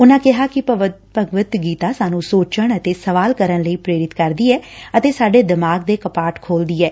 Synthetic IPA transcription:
ʊnãːkɪɦaːkɪpəʋ | pəɡʋət̪ɡiːt̪aːsaːnũːsoːt͡ʃəɳət̪eːsəʋaːlkəɾənləiːpɾeːɾɪt̪kəɾd̪iːɛːət̪eːsaːɖeːd̪ɪmaːɡd̪eːkəpaːʈkʰoːld̪iːɛː

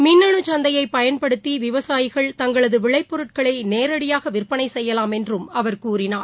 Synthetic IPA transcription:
mɪnːɐɳɯt͡ʃɐnd̪ɐjɐɪpːɐjɐnpɐɽɯt̪ːiʋɪʋɐsaːjɪɣɐɭt̪ɐŋɡɐɭɐðɯʋɪɭɐɪpːɔɾɯʈ̚kɐɭɐneːɾɐɽɪjaːɣɐʋɪrpːɐnɐɪsɛjːɐlaːmɛndrɯmɐʋɐɾkuːɾɪnaːɾ

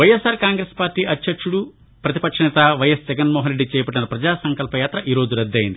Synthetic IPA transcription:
ʋɐjesaːɾkaːŋɡɾeːspaːɾʈːiːʔɐt͡ʃːɐkʂuɽu | pɾɐt̪i̥pɐkʂɐnɛt̪aʋɐjɐsd͡ʒɐɡɐnmɔːɦɐnɾeɖːit͡ʃɛːjɐpɐʈːnɐɾɐpɾɐd͡ʒaːsɐŋkɐlpɐjaːt̪ɾɐʔiːɾo̞ːd͡ʒuɾɐd̪ːɐjind̪i

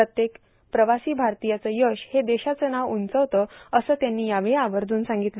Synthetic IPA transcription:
ət̪jek | pɾəʋasiːbʱaɾt̪ijat͡səːjəɕhed̪eɕat͡sənaʋunt͡səʋt̪əːəsəːt̪janːiːjaʋeaʋəɾd̪ʱuːnsãŋɡit̪l

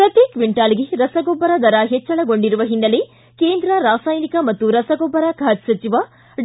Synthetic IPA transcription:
pɾɐt̪eːkʋiɳʈaːliɡeɾɐsɐɡɔːbɐɾɐd̪ɐɾaɦɛt͡ʃːɐɭɐɡo̞ɳɖiɾuʋɐɦinːɐle | keːnd̪ɾɐɾaːsaːjnikɐmɐt̪ːuɾɐsɐɡoːbːɐɾakʰaːd͡ʒsɐt͡ʃiʋɐ

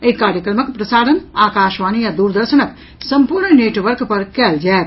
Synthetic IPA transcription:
eɦikaːɾjəkɾəməkpɾəsaːɾənaːkaːʃʋaːnijad̪uɾd̪əɾsənək | səmpuɾɳəneʈʋəɾkpəɾkɛːld͡ʒaet̪

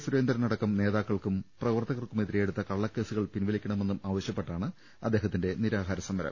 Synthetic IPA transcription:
suɾe̞ːnd̪ɐɾɐnɐɽɐkːɐmne̞ːðaːkːɐɭkumprɐʋɐrt̪ɐɣɐrkumet̪ðiɾijeɽut̪ːɐkɐɭːɐkːe̞ːsuɣɐɭpinʋɐlikʲːɐɳɐme̞nːumaːʋɐɕjɐpːe̞ʈːaːɳɨ | ɐd̪ːe̞ːɦɐt̪ːinde̞niɾaːɦaːɾɐsɐmd̪ɐɾɐ̰m

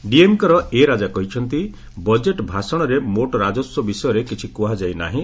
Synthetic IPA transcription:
ɖiemkɔɾɔeɾad͡ʒakɔɦit͡ʃʰɔnt̪i | bɔd͡ʒeʈbʱasɔɽ̃ɔɾemoʈɔɾad͡ʒɔsjɔbisɔjɔɾekit͡ʃʰikuɦad͡ʒajna̰ɦĩ

